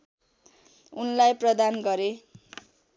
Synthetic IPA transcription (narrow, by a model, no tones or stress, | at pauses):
unlajprʌd̪anɡʌɾe